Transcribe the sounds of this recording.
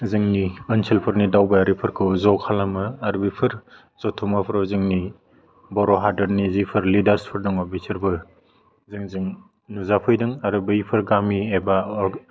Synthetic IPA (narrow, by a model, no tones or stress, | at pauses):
zɯŋniɯnsʰilpʰɯɾnidawbaaɾipʰɯɾkʰɯwzɔkʰalamɯːɾbipʰɯɾ | zɔtʰɔmapʰɾɔzɯŋni | bɔɾɔɦadɯɾnizipʰɯɾlidaɾspʰɯɾdɯŋɔbisʰiɾbɯ | zɯŋzɯŋ | nuzapʰɯjdɯŋaɾɯbɯjpʰɯɾɡamieba